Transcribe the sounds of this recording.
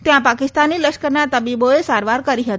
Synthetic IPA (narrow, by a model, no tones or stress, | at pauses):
t̪jãpakɪst̪aniləʃkəɾnat̪əbiboesaɾʋaɾkəɾiɦət̪